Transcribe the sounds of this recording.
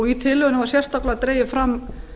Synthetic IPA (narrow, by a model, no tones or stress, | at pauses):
ɔɣit̪ʰɪlːʏɣʏnavḁsjɛr̥st̪aklat̪ɾeːjɪfɾamː